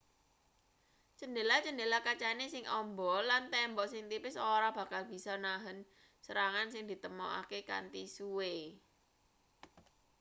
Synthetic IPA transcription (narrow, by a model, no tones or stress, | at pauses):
t͡ʃəndelat͡ʃəndelakat͡ʃanesɪŋʔɔmbɔ̤lant̪ɛmbɔsɪŋt̪ipɪsoɾab̥ä̤kalb̥i̤sɔnaɦən | səɾaŋansɪŋd̪̥i̤t̪əmɔʔa̰keka̰nt̪isue